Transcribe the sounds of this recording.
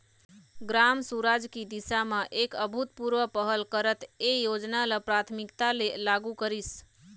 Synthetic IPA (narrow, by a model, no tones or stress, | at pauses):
ɡɾamsuɾad͡ʒkid̪isaməʔekəbʱut̪puɾʋəpəɦəlkəɾət̪ejod͡ʒnaləpɾat̪ʰmikt̪alelaɡukəɾis